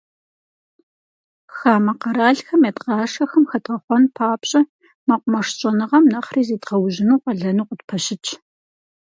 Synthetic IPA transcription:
xaːmɐqɐɾaːɮxɐmjɐtqɑːʂɐxɐmxɐtʼʁɐχʷɔnpʰaːpɕʼɐ | mɐqʷʼʊmɐʂɕʼɐnɨʁɐmnɐχriːzeːtʁɐwʑɪnuːqʼɐɮɐnuːqʼətpʰɐɕɪt͡ʃʰ

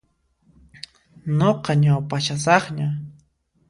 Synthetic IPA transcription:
noqɑɲawpaʃasɑχɲa

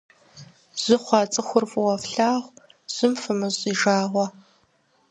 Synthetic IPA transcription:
z̥ɪχʷɑːt͡sʼɨxʷʊrfʼɨwɐfɬaːʁʷ | z̥ɪmfɨmɨɕʼiːʒaːʁʷɐ

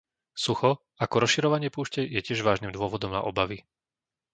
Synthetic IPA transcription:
suxɔ | akɔɾɔsʃiɾɔʋaɲɪɛpuːʃcɛjɛcɪɛʒʋaːʒnimd̪ʊɔʋɔd̪ɔmna̰ʔɔbaʋi

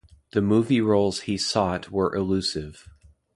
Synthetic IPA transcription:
ðɨmuviɹoʊlˠz̥hisɔt̚ʰwə˞ʔɪlʉsɪv̥

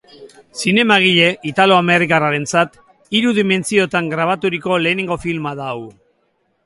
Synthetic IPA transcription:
sine̞maɣ̞iʎe̞ʔit̪alo̞ame̞rikaraɾe̞nt͡sat̪ | iɾuðime̞nt͡sio̞t̪aŋɡɾaβ̞at̪uɾiko̞le̞ːneŋɡo̞filmaða

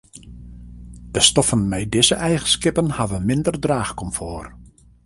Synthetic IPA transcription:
d̥əstɔfənmɛjdɪzəʔɛjɣənskɪpənhavənmɪndərdraːxkɔmfoːr

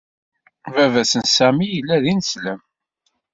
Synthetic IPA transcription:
vævæsənsæmijəlːæðinsləm

